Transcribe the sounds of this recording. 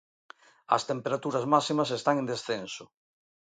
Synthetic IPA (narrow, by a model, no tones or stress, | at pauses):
ɐ̰st̪empeɾat̪uɾazmasimasest̪aŋẽnd̪esθenso